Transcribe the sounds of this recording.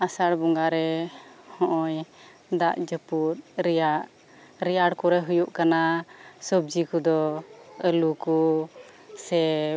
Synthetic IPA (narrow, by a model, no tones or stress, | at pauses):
asaɽbuŋɡaɾɛhɔ̃ʔɔɲ | d̪aʔd͡ʒəpuɾɾɛjaʔ | ɾijaɽkɔɾɛɦujuʔkanasɔb̚d͡ʒikud̪ɔəluku | sɛ